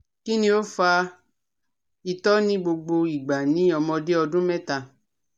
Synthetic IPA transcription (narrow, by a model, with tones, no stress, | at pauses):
ki˦nĩ˧o˦fa˧ | i˧tɔ˦nĩ˦ɡ͡bo˧ɡ͡bo˧i˨ɡ͡ba˨nĩ˨˦ɔ˧mɔ̃˧de˦ɔ˧dũ˦mɛ̃˦ta˧˨